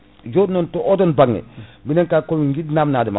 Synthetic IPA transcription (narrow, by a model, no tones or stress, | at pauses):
jodnɔntɔodɔnbaŋːɛ̰binɛŋkakomiŋɡidnamnadima